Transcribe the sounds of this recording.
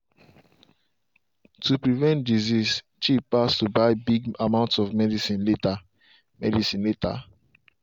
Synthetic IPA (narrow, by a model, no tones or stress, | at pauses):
tʰupɹivɛ̃ntdiziz | t͡ʃipastubaɪbiɡamãʊ̃ntsɔvmɛdisĩnleta | mɛ̰disĩnletʰa̰